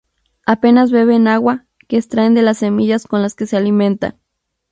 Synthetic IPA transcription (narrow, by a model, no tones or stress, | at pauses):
ape̞nazβe̞βe̞naɣwa | keːst̪ɾae̞nd̪e̞lasːe̞miʝasko̞nlaske̞se̞alimẽ̞nt̪a̰n